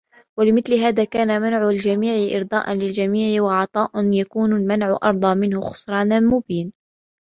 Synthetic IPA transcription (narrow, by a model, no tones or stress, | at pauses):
walɪmɪθlɪɦaːðaːkaːnamanʕʊld͡ʒamiːʕɪʔɪ̰ɾd̪ˤɑ̰ːʔɑnlɪld͡ʒamiːʕɪwaʕɑt̪ˤɑːʔnjakuːnalmanʕʊʔɑ̰ɾˤd̪ˤɑːmɪnhʊxʊ̥sˤɾˤɑːnamʊbiːn